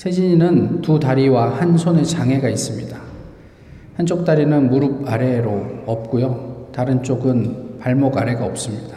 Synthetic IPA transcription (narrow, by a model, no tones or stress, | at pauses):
sʰe̞d͡ʑiɲinɯntutaɾiwahansʰonet͡ɕaŋɦe̞ɡais͈ɯmɲida | hant͡ɕ͈ok̚t͈aɾinɯnmuɾub̚aɾe̞ɾoʌp̚k͈ujotaɾɯnt͡ɕ͈oɡɯnpaɭmʌɡaɾe̞ɡaʌp̚s͈ɯmɲid̥ḁ